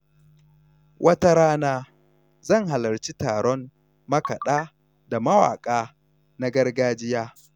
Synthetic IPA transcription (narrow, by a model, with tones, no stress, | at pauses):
wʔɐ˦ta˦ɾaː˦naː˦ | zɐ˦˨ŋɦa˨lɐ˨ɾt͡ʃi˦taː˨ɽɔ˦n | mɐ˦kɐ˨ɗaː˦ | da˨mɐ˦wa̰ː˨kʼaː˦ | na˦ɡɐ˦rɡaː˦d͡ʒɪ˦jaː˦